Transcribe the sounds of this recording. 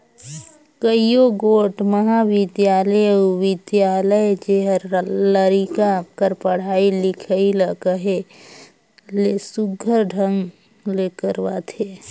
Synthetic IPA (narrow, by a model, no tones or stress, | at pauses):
kəijoɡoːʈməɦaʋɪd̪jaːləjʋɪd̪jaːləjd͡ʒeɦəɾləɾikakəɾpəɽ̤aːilɪkʰəiləkəɦe | lesʊɡʱəɾɖʱəŋɡ | leːkəɾwat̪ʰeː